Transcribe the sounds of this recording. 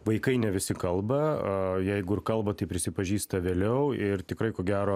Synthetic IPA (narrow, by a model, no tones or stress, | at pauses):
ʋɐɪkɐɪnʲɛʋʲɪsʲɪkɐlˠbɐjæɪɡʊɪrkɐlˠbɐt̪ɐɪpʲɾʲɪsʲɪpɐʒʲiːst̪ɐʋʲeːlʲɛʊɪrt̪ʲɪkɾɐɪkoːɡʲæːɾoː